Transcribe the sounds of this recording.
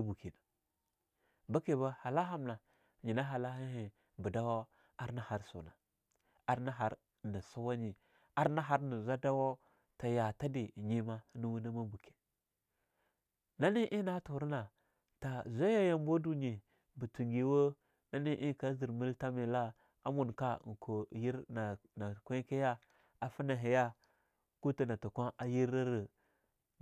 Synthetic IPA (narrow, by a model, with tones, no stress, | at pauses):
a˦bu˨ki˨na˨ | ba˦ke˨ba˦ha˨la˦ɦa˦mna˨ | ɲi˨na˦ɦa˨la˦hi˦i˨ | bu˨da˦wa˦ | a˦ɾna˨ha˦ɾsṵ˨na˨ | a˦ɾna˦ɦa˨˦ɾ | ni˨su˦wa˦ɲi˨ | a˦ɾna˦ɦa˦ɾni˨zʷa˦da˦wo˦ | ta˨ja˨ta˦di˨ɲi˦ma˦nu˦wu˦na˦ma˦bu˨ke̥˨ | na˦ni˦ʔi˦na˦tu˨ɾna˨ | ta˨zʷa˦ja˦ja˦mbo˦du˦ɲi˨ | bu˨tu˨ŋɡi˨wo˦ | na˦ni˦ʔi˦˨ka˦zi˨ɾmi˦lta˦mi˨la˦ | a̰˦mu˨nka˦˨ŋ˨kʰo˨ji˦ɾna˨na˨kʷe˦ke˦ja˦ | a˨fi˦na˨ɦi˨ja˦ | ku˦ti˨na˨tu˨kʷa˦na˨ji˦ɾa˦ɾi˨